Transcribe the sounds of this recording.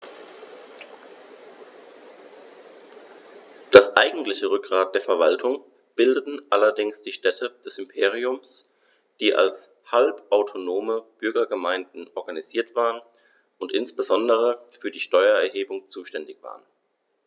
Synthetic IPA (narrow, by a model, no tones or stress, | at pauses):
d̥asʔa̰ɪɡŋ̩tlɪçəʁʏk̚ɡ̥ʁaːt̚d̥eːɐfɛɐvaltʰʊŋ | b̥ɪldətn̩ʔalɐdɪŋsd̥iːʃtɛtʰəd̥ɛsɪmpʰeːʁ̞iʊms | d̥iːʔa̰ls | halpʔaʊtʰonoːməb̥ʏɐɡɐɡəmaɪndn̩ʔɔɐɡaniz̥iːɐtv̥aːʁən | ʔʊntʔɪnsb̥əzɔndəʁ̞əfyːɐdiːʃtɔʏɐɛɐɦeːbʊŋt͡suːʃtɛndɪçv̥a̰ːʁən